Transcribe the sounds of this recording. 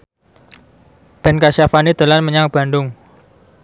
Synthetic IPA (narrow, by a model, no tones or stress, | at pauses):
b̥ɛ̤nkaʃafanid̪̥ə̤lanməɲaŋb̥a̤ɳɖʊŋ